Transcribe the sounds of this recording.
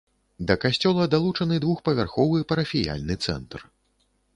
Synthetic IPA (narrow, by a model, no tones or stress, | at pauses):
d̪ɐkasʲt͡sʲɔlˠɐd̪alˠut͡ʂɐnɨd̪vuxpɐvʲarxɔvɨpɐɾɐfʲija̰lʲnɨt̪sɛ̰nt̪r